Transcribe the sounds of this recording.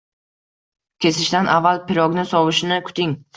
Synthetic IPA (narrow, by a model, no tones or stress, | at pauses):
kʲʰe̞sɪʃt̪anʔavːalˠpʰɪɾɒɡnɪsɒwʊʃnɪkʲʰʊ̥t̪ʰɪŋ